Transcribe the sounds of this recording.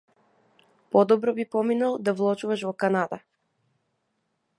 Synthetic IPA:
pɔd̪ɔbɾɔbipɔminalˠd̪avlˠɔt͡ʃuvaʃvɔkanad̪a

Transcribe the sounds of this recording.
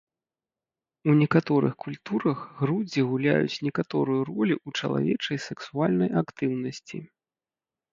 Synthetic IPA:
unʲɛkat̪ɔɾɨ̰xkulʲt̪uɾɐɣɣɾud͡zʲiɣulʲa̰jṵt͡sʲnʲɛkat̪ɔɾujurɔlʲiʔut͡ʂɐ̰lˠa̰vʲɛt͡ʂɐjsɛksualʲnɐjʔakt̪ɨwnɐsʲt͡sʲḭ

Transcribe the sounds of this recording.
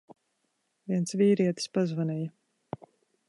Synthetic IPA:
viɛnsviːɾiɛt̪spazvanʲɛja

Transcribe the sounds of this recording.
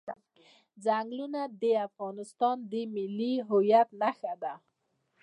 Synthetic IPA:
d͡zaŋɡlunad̪eafɣɑnɪst̪ɑnd̪emɪlːiɦʊjat̪naxad̪a

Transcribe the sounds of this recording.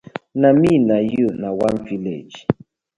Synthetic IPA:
naminajunawanvilḛd͡ʒ

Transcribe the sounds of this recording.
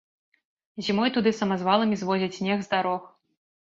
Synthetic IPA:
zʲimɔjt̪ud̪ɨsɐmazvalˠɐmʲizvɔzʲɐt͡sʲsʲnʲɛɣzd̪aɾɔx

